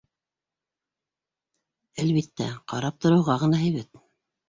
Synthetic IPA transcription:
ælβit̪ːæ̰qɑɾɑp̚t̪ŏɾɤ̆wʁɑʁɤ̆nɑɦɘ̆jβæt̪̚

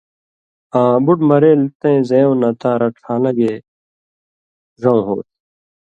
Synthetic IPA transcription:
ãːbuʈmɐɾeːlt̪ẽzẽjõnɐt̪ãːɾɐʈkʰaːnɐɡeː | ʐɐ̃w̃ɦo̰ːt̪̚

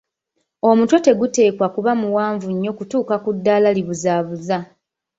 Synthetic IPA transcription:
o̞mutwo̞te̞ɡute̞ːkwakuβamuwaːɱvuɲːo̞kutuːkakudːaːlaliβuzaːβuza

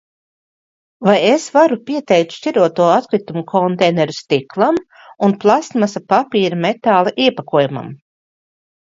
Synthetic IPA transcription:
vajesvaɾupʲiɛt̪ɛjk̚t̪ʃciɾuɔt̪uɔat̪kɾit̪umukʰɔnt̪ɛjnɛɾust̪iklˠam | unplˠast̪masapapiːɾamet̪aːlˠɛʔiɛpakuɔjuma̰m

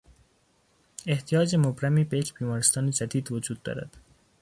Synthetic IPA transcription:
eht̪ʰijɒːd͡ʒemobɾæmiːbejecʰbiːmɒːɾest̪ɒːned͡ʒæd̪iːd̪vod͡ʒuːd̪̚ːɒ̰ːɾæ̰d̪̥

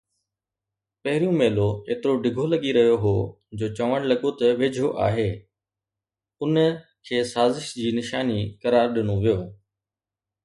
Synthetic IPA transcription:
pɐɦɪɾijũmeːloeːt̪ɪɾoɖɪɡʱolɐɠiɾɐɦijoɦoː | d͡ʑoːt͡ɕɐʋəɽ̃lɐɠot̪ɐʋeːd͡ʑʱoʔa̰ːɦeː | ʊnəkʰeːsaːzɪʃd͡ʑiːnɪʃaːnikɐɾaːɾɗɪñoʋijoː

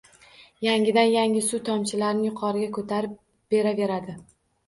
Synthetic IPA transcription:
jaŋʲɪd̪anjaŋʲɪsut̪ʰɒmt͡ʃʰɪlaɾɪnɪjʊqʰɒɾɪɡʲakʰot̪ʰaɾɪp | b̥e̞ɾave̞ɾad̪ɪ

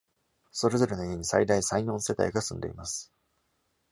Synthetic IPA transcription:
so̞ɾe̞zo̞ɾe̞noieɲ̟isa̰id̪aisaiɲʲõ̞ːse̞t̪a̰iɡasɨ̃nd̪e̞imasɨ̥

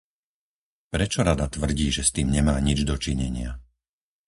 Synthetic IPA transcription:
pɾɛt͡ʃɔɾad̪at̪ʋr̩ɟiːʒɛst̪iːmɲɛmaːɲid͡ʒd̪ɔt͡ʃiɲɛɲɪa

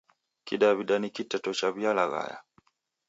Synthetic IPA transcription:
kiɗaβiɗanikitɛtɔt͡ʃaβialaɣa̰ja̰

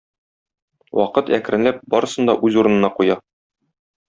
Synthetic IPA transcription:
wɒ̰qɤt̪æ̰kɾɘ̆nlæp̚bɒɾɤ̆sɤ̆nd̪ɒ̰ʔʉzuɾɤ̆nɤ̆nɑqujɑ

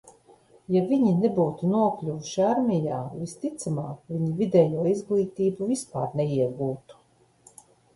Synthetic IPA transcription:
javiɲinebuːt̪unuɔklʲuvuʃiaɾmʲijaːvist̪it̪samaːvʲiɲivʲid̪ɛːjuɔizɡlˠiːt̪iːbuvispa̰ːɾnɛiɛɡuːt̪u̥

